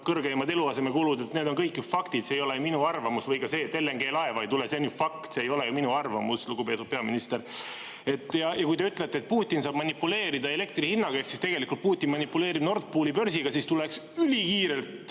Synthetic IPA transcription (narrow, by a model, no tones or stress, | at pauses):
kɤrɡeemɑd̪e̞luɑse̞mekuːlud̪et̪neːd̪o̞nkɤjkːjufɑkt̪it̪seːjo̞le̞juminuɑrvɑmusvɤjkɑse̞ːt̪ːe̞lːeŋɡ̥e̞ːlɑe̞vɑejt̪ule̞senjufɑkt̪seːjo̞le̞juminuɑrvɑmusluɡ̥upe̞t̪ːud̥̪̚pe̞ɑminist̪e̞ɾ | e̞t̪ːˑjɑjɑkujt̪e̞yt̪ˑlet̪ːet̪̚puːt̪ʲːˑinsɑːb̥mɑnʲipːule̞ːɾid̪ɑe̞le̞k̚t̪rihinːɑɡ̥ɑeksist̪e̞ɡ̥e̞likːˑult̪̚puːt̪ʲːˑinmɑnipːˑule̞ːɾibno̞rt̪̚puːlipø̞rsiɡ̥ɑsist̪ule̞ksylʲikiːɾe̞lt̪